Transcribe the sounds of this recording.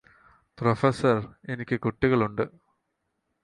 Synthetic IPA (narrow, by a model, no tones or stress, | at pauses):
profɐsɐre̞nikʲːɨkuʈːiɣɐɭuɳɖɨ